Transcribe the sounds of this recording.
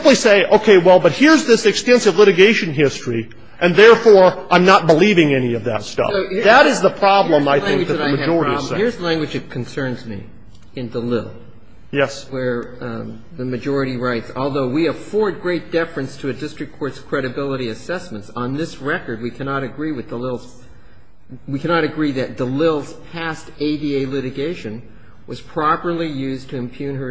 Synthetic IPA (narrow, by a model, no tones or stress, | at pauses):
pliseɪʔoʊkʰeɪwɛlˠbʌt̚hɪɹzðɪsɨkstɛ̃nsɨvlɪɾɨɡeɪʃɨ̃nɦɪstɹ̥i | ʔɨ̃nðɛɹfɔɹʔãɪ̃mnət̚b̥əlivɪ̃ŋɛñiʌvðɨ̰tstʌ̰ðəɾɨzðəpʰɹ̥ɑblə̃maɪθθɪ̃ŋw̚ðɨðaɪmɨd͡ʒɔɹəɾiʌɪɹzlæ̃ŋɡwɨd͡ʒɨt̚kʰn̩sɜ̃˞nzmḭ | ɨ̃ndəlɪl̩ˠ | jɛswə˞ | ðɨmɨd͡ʒɔɹɨɾiɹaɪtsɔlˠðoʊwiɨfɔɹd̚ɡɹeɪt̚d̥ɛfɹɨ̃nstʰɨɨdɪstɹ̥ɨkʰːɔɹtskʰɹ̥ɛɾɨbɪlˠəɾiɨsɛsmɨ̃ntsn̩ðɪsɹɛkə˞d̚wikʰænɑɾɨɡɹiwɨðdəlɪlˠz̥ | wikʰænɑɾɨɡɹiðɨt̚d̥əlɪlˠz̥pʰæsteɪdieɪlɪɾɨɡeɪʃɨ̃n | wʌz̥pʰɹ̥ɑpə˞lˠijʉztʰɨɨ̃mpʰj̥ʉ̃nə˞